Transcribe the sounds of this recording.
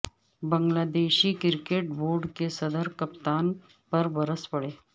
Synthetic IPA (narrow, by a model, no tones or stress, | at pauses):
bəŋɡlad̪eɕiːkiɾkeʈ̚boɾɖkesəd̪əɾkəpt̪an | pəɾbəɾəspəɽe